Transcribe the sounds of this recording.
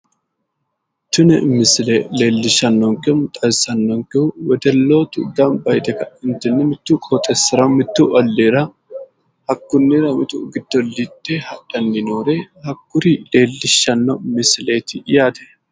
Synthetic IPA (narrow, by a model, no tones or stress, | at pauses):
t̪ːʊnɛmɪslele̞ːlːɪʃɐnːɔŋkɛmt̪ʼɐjsɐnːɔŋkɛʊwɛd̪ɛlːo̞ːt̪ʊ̰d̪ɐmbɐjd̪ɛkɐɪnt̪ɪnːɛmɪt̪ːuːkʼot̪ʼɛsːɪɾɐmɪt̪ːuʔɔlːeːɾɐ | hɐkːʊnːɪɾɐmɪt̪ʊɡɪd̪ːɔlːit̪ːehɐᶑɐnːɪnoːɾehɐkːʊɾile̞ːlːɪʃːɐnːɔmɪsleːt̪ɪjaːt̪ɛ̥